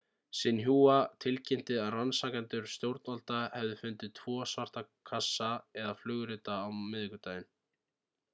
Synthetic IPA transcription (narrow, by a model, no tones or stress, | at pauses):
sɪnɦuːat̪ʰɪlcɪn̥t̪ɪðaðransaːkant̪ʏɾ̥st̪jowɾt̪nalt̪ahɛvðɪfʏnt̪ɪt̪ʰvɔːsvar̥t̪akʰasːaɛðaflʏɣɾɪt̪aːwmɪðɪkʏt̪aːjɪn